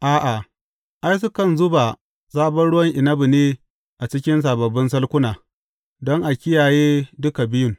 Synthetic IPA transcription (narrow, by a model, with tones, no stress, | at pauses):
ʔaː˦ʔa˨ | ʔa˦js̬ʊ˦kɐ˦˨nzʊ˦ba˨ | saː˦bɐ˦nɽʊ˦wɐ˦ŋʔɪ˨nɐ˦bu˨neː˦ | ʔa˨t͡ʃɪ˦kʲɪ˦ns̬aː˨bɐ˨bːɪ˦nsɐ˦lkʷʊ˦naː˨ | dɔ˦ŋʔa˨kʲɪ˦jaː˨jeː˦dʊ˦ka˨bɪ˦jʊ˦ŋ